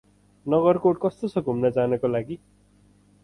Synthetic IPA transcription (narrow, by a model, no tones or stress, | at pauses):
nʌɡʌrkoʈ̚kʌst̪ot͡sʰʌɡʱumnʌd͡zanʌkolaɡi